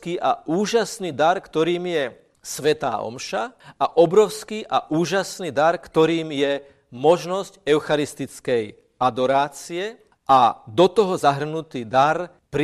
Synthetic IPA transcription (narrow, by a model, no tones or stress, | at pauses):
kiːʔauːʒasniːd̪aɾkt̪ɔɾiːmjɛ | sʋɛt̪a̰ːɔ̰mʃaaʔɔbɾɔʊskiːʔaʔuːʒasniːd̪aɾkt̪ɔɾiːmjɛ | mɔʒnɔscɛʊxaɾist̪it͡skɛj | ad̪ɔɾaːt͡siɛ | ʔad̪ɔt̪ɔɦɔzaɦr̩nut̪iːd̪aɾ | pɾ